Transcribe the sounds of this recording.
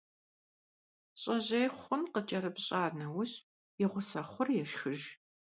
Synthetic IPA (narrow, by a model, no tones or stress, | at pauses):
ɕʼɐʑejχʷʊnqət͡ʃʼɐɾɨpɕʼaːnɐwʊɕ | jɛʁʷʊsɐχʷʊrjɛʃxɨʒ